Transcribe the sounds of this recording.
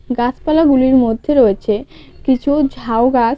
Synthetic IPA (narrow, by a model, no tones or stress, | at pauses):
ɡat͡ɕpalaɡuliɾmod̪ʱːeɾoet͡ɕʰe | kit͡ɕʰud͡ʑʱaoɡa